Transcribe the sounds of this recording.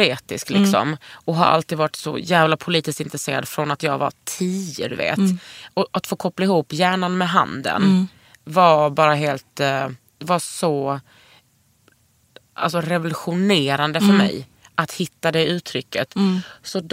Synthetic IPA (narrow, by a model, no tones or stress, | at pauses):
ɾeːt̪ɪsklɪksɔ̰mɔɦa̰ɾʔa̰lt̪iːd̪vaɾɪʈ̪sɔ̰jæːvlapʰʊliːt̪ɪskt̪ɪnt̪ɾɛseːɾa̰d̪fɾɔnat̪jɑ̰ːɡva̰tʰiːə̰d̪ɵ̰vḛːt̪ɔʔat̪foːkʰɔplaɪhuːpːjæːɳanmɛɦa̰nd̪ə̰n | vabɑːɾaɦeːlt̪ | vasɔ | ʔa̰lsɔɾɛvʊlɵɧʊneːɾand̪əfœɾmɛ̰j | ʔat̪hɪt̪ːad̪ɛʉ̟ːt̪ʰɾʏkːət̪sɔd̪